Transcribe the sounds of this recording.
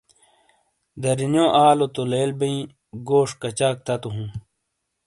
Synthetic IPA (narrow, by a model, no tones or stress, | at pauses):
d̪ɐɾinjõʔaːlot̪oleːlbɐĩ | ɡoːʂkɐt͡ɕaːk̚t̪ɐt̪uɦũː